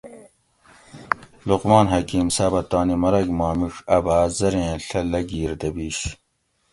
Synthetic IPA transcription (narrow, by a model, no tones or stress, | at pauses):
luqmɑːnɦɐkiːmsaːbɐt̪ɑːnimɐɾɐɡmɑːmiʂɐbaːzɐɾẽːɬɐlɐɡiːɾd̪ɐbiːɕ